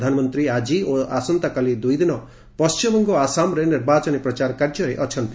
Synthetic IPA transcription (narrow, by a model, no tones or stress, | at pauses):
d̪ʱanmɔnt̪ɾiad͡ʒioasɔnt̪akalid̪ujd̪inɔ | pɔst͡ʃimɔŋɡɔasamɾeniɾbat͡ʃɔnipɾɔt͡ʃaɾkaɾd͡ʒɔɾeʔɔt͡ʃʰɔnt̪i